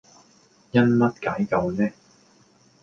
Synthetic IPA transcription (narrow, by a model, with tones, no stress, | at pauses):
jɐ˥nmɐ˥t̚kaː˨˥jkɐ˨˧wnɛː˥